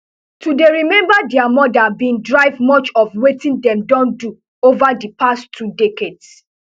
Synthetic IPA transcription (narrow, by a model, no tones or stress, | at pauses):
tudeɹimɛ̃mbadɛamɔdabĩndɹaɪvmɔt͡ʃɔfwetĩndɛ̃mdɔ̃ndu | ovadipastʰːudekeds